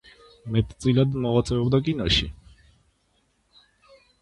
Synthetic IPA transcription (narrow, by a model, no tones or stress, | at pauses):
mɛt̪ʼt̪sʼilad̪mɔʁat̪sʼɛɔbd̪akʼinɔʃḭ